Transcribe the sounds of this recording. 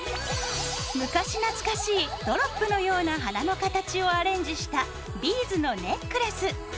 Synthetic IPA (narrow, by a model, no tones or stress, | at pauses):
mɯ̟kaɕinat͡sɨ̥kaɕiːd̪̥o̞ɾo̞pːɯ̟no̞jo̞ːnaɦanano̞kat̪at͡ɕio̞aɾẽ̞ɲ̟d͡ʑiɕi̥t̪a | bʲiːzɨno̞ne̞kɯ̟ɾesɨ